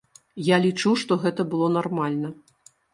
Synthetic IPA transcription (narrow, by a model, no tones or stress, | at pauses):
jalʲit͡ʂuʂt̪ɔɣɛt̪ɐbɨlˠɔnarmalʲnɐ